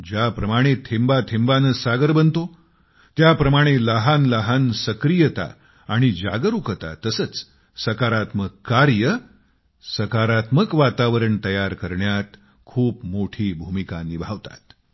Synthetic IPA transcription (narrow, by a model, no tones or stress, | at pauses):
d͡ʑapɾəmaɽ̃et̪ʰembat̪ʰembanəsaɡəɾbənt̪o | t̪japɾəmaɽ̃eləɦanləɦansəkɾijət̪a̰ | aɽ̃id͡ʑa̰ɡəɾukət̪a̰t̪əsət͡s | səkaɾat̪məkːaɾjə | səkaɾat̪məkʋat̪aʋəɾəɳt̪əjaɾkəɾɳjat̪ | kʰuːpmoʈʰiːbʱumikanibʱaʋt̪a̰t̪